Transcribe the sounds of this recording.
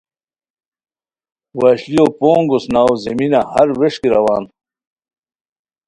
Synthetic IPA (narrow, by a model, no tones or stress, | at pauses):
waːɕliopoːŋɡosnaːwzeminahɐɾweʂkiɾɐwaːn